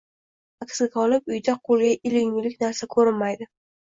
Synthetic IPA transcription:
akʲsɪkʲɒlɪpʊjd̪aqʰolˠɡʲaʔɪlɪŋlɪkʲnaɾsakʰɵɾɪnmajd̪ɪ

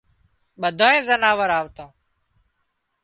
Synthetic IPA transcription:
ɓəd̪ʱãːẽːzənaːʋəɾaːʋt̪õː

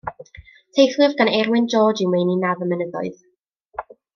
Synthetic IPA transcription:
tʰejθlˠɪvɡanɛrwɪnd͡ʒɔːd͡ʒɪnwejninavəmənəðɔɨð

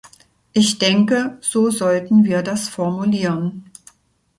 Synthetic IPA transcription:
ʔɪçd̥ɛŋkəz̥oːzɔltn̩viːɐdasfɔɐmuliːʁən

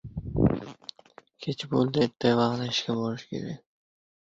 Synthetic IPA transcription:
kʲʰet͡ʃʰbolˠd̪ɪt̪ʰːajvɑχnɪɪʃkʲabolɪʃkʲʰe̞̰ɾak̚ʲ

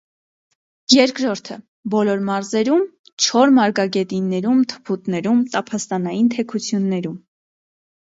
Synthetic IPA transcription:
jɛɾkɾɔɾt̪ʰə | bɔlɔɾmɑɾzɛɾum | t͡ʃʰɔɾmɑɾɡɑɡɛt̪inːɛɾumt̪ʰə̥pʰut̪nɛɾumt̪ɑpʰɑst̪ɑnɑjint̪ʰɛkʰut͡sʰjunːɛɾum

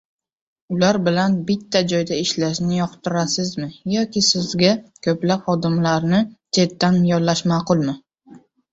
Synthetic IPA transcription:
ʊlaɾbɪlanbɪt̪ʰːad͡ʒɒjd̪aɪʃlaʃnɪjɒqt̪ʰɪɾasɪzmɪjɒkʲɪsɪzɡʲakʲʰɵplapχɒd̪ɪmlaɾnɪt͡ʃʰe̞t̪ːanjɒlːaʃmaːqʊlˠmɪ

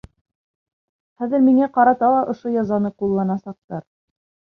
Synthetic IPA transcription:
χæðɘ̆ɾmiŋæqɑɾɑt̪ɑlˠɑʔŏʃojɑzɑnɤqulˠːɑnɑsɑq̚t̪ɑɾ

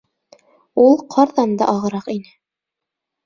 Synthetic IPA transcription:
ulˠqʰɑɾðɑnd̪ɑ̰ʔɑʁɤ̆ɾɑqinɘ

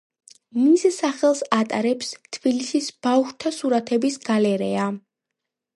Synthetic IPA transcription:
missaχɛlˠsat̪ʼaɾɛpst̪ʰb̥ilisisb̥afʃt̪ʰasuɾat̪ʰɛbisɡalɛɾɛa

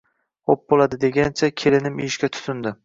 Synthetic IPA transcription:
op̚bolˠad̪ɪd̪e̞ɡʲant͡ʃʰakʲʰelɪnɪmijɪʃkʲat̪ʰʊ̥t̪ʰʊnd̪ɪ

